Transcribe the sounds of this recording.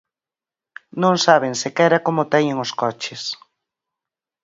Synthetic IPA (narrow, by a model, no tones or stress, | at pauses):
nõŋsaβeŋsɪkɛɾakomʊt̪ɛɲɪŋoskɔt͡ʃɪs